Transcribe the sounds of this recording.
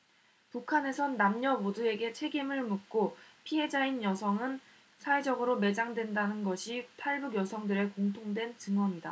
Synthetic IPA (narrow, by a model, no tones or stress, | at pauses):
pukʰane̞sʰʌnːamɲʌbodue̞ɡe̞t͡ɕʰe̞ɡimɯɭmuk̚k͈opʰiɦe̞d͡ʑainjʌsʰʌŋɯn | sʰawe̞d͡ʑʌɡɯɾome̞d͡ʑaŋdwe̞ndanɯnɡʌɕʰitʰaɭbuɡjʌsʰʌŋdɯɾe̞koŋtʰoŋdwe̞nt͡ɕɯŋwʌŋida